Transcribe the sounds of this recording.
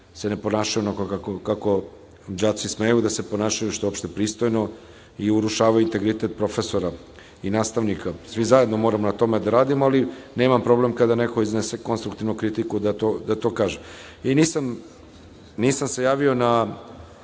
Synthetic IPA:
se̞ne̞po̞naːʃajunakkakokako̞ | d͡ʑat͡ʃ̪isme̞jud̪asepo̞naːʃajuʃt̪oopʃt̪e̞pɾiːst̪o̞jno̞ | iuɾuʃaːʋajuint̪e̞ɡɾit̪et̪̚pɾo̞fe̞so̞ɾa | inaːst̪aʋnikʰasʋizaje̞d̪no̞mo̞ːɾamonat̪o̞med̪aɾaːd̪imoaline̞ːmampɾo̞blemkad̪ane̞ko̞iznese̞ko̞nst̪ɾukt̪iʋnukɾit̪ikud̪at̪od̪at̪o̞ːkaːʒe | iniːsam | niːsamse̞jaːʋio̞na

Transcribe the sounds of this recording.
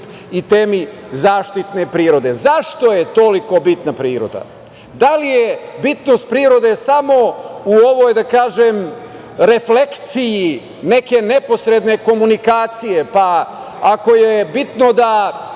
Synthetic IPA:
it̪eːmi | zaːʃt̪it̪ne̞pɾiːɾo̞d̪e̞zaʃt̪o̞jet̪o̞liko̞bit̪napɾiːɾo̞̰d̪a̰ | d̪alijebit̪no̞st̪̚pɾiːɾo̞d̪e̞samo̞uo̞ʋojd̪akaːʒem | ɾe̞fle̞k̪siji | neke̞ne̞po̞sɾe̞d̪ne̞ko̞munikaːt̪sije̞pa | ako̞jebit̪no̞d̪a

